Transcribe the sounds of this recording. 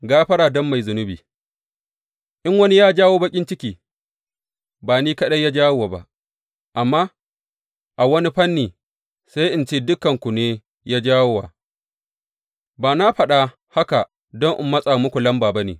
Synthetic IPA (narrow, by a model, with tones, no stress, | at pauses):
ɡaː˦ɸɐ˦ɽaː˨dɔ˦mːa˨jzʊ˨nʊ˦biː˨ | ʔɪ˦ŋwɐ˦ni˦jaː˦d͡ʒaː˦woː˦bɐ˦kʲʼɪ˦nt͡ʃɪ˦kʲiː˨ | baː˨niː˦kɐ˦ɗɐ˦ja˦d͡ʒaː˦wo˦waː˨ba̰˦ | ʔa˨mːaː˦ | ʔa˨wɐ˦ni˦ɸɐ˦nːiː˨ | sa˦jʔɪ˨nt͡ʃeː˦dʊ˦kɐ˨ŋkʷu˨neː˦ | jaː˦d͡ʒaː˦wo˦wa̰ː˨ | baː˨na˦ɸɐ˨ɗa˨ | ha˦ka˨ | dɔ˦ŋʔɪ̰˨mːɐ˦sʼa˨mʊ˦kʷu˨lɐ˦mbaː˨ba˦nḛː˨